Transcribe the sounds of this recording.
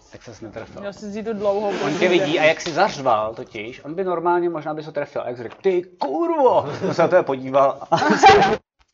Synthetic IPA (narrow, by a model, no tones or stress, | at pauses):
t̪aksɛsnɛt̪ɾɛfɪ̰lɛlsɪziːt̪udlowɦoʔoncɛvɪɟiːʔajaksɪzar̝valt̪ocɪʃʔonbɪnoɾmaːlɲɛmoʒnaːbɪzot̪ɾɛfɪlʔa̰jaksɪɾɛkt̪ɪkuːɾvoonsɛnat̪ɛbɛpo̞ɟiːval